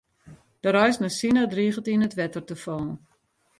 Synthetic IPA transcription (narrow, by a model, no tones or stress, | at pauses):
d̥əɾɔjsnəsinadriːχəltinətʋɛtərtəfɔn